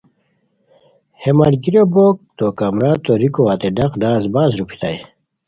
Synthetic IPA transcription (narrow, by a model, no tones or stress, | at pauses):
hemaːlkiɾjoboːk̚t̪okamɾaːt̪oɾikoat̪eɖɐqɖaːzbaːzɾupʰi̥t̪a̰j